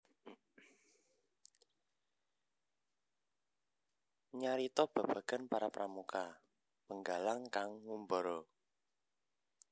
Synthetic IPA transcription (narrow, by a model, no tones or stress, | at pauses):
ɲaɾit̪ɔb̥a̤b̥ä̤ɡ̥a̤npaɾapɾamuka | pəŋɡalaŋkaŋːumbɔɾɔ